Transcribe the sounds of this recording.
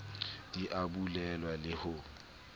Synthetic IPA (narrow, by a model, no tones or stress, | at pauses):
d̥iʔabulɛlwalɪhʊ